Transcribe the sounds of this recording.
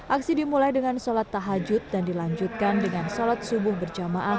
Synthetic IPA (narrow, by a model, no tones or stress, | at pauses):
ʔak̚sidimulajdəŋansolat̪ːaɦad͡ʒʊt̪̚dandilaɲd͡ʒut̪̚kandəŋansolat̪̚subʊhbərd͡ʒamaʔa